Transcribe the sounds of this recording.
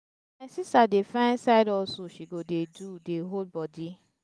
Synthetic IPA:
ɛsisadefãsaɪdɔsoʃiɡodedudeɦod̚bɔdi

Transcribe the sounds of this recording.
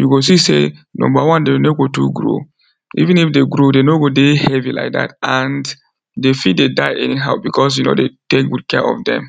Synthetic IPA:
juɡos̬isḛnɔ̰̃mbawɔ̃ndenoɡotuɡɹo̰ | ḭvĩnifdeɡɹodenoɡodehɛvila̰ɪk̚da̰tãnd | defid̚dedaɪʔɛniɦaʊbikʰɔs̬juno̰detekwud̚kɛʔɔ̰fdɛ̰̃m

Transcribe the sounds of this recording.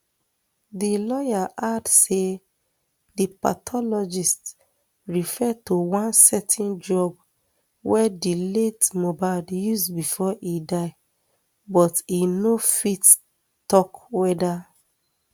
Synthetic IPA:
dilɔjaʔadse | dipa̰tʰɔlɔd͡ʒist | ɹifɛtuwãnsɛtʰĩnd͡ʒɹɔb | wɛdiletmobadjusbifɔʔidaɪ | bɔtinofit | tɔkwɛda

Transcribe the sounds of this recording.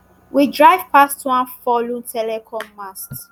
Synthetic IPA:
widɹaɪv̥pastwãnfɔlũntʰɛlɛkʰɔ̃mːast

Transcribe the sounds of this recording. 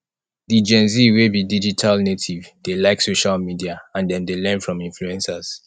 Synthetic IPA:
did͡ʒɛ̃nziwebidid͡ʒitʰalnetʰivd̥elaɪksoʃalmidiaãndɛ̃ndelɛ̃nfɹɔ̃mĩnfluɛ̃nsaz̥

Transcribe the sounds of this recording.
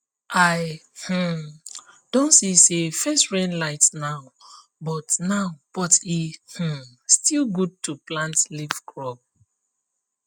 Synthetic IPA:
aɪh̩ | d̥õnsisefɛstɹɛ̃nlaɪtnaʊ | bɔtnaʊpɔtih̩ | stilˠɡud̚tuplãntlivkɹɔb̚

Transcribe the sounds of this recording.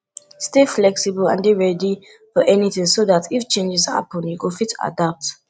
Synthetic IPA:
steflɛksibəlã̰nbiɹɛdi | fɔʔɛniθɪ̃ŋsoðatʰift͡ʃẽnd͡ʒɪsa̰pɔ̃njukəfitʰa̰dap̚t

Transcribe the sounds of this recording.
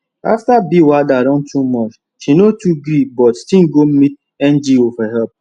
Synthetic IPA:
a̰ftabiwadaɾɔ̃n̩tʰumɔt͡ʃ | ʃinotuɡɾibɔtstiŋ̩ɡom̩mit̚ | ɛn̩d͡ʒiofɛɦɛp̚

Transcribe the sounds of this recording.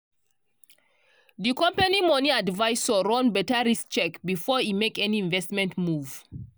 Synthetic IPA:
ðikɔ̃mpanimɔ̃niadvaɪsɔɹɔ̃nbɛtəɹisk̚t͡ʃɛkbifɔimekɛniĩnvɛstmɛ̃ntmuv

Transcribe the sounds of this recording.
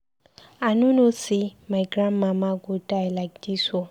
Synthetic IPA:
anũnosimajɡɾamːamaɡudajlak̚diso

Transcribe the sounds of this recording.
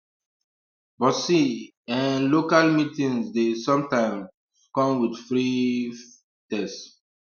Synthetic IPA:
bɔsi | ɛ̃nlokalmitĩŋsdesɔ̃mtãɪ̃m | kɔ̃mwidfɹi | tɛst

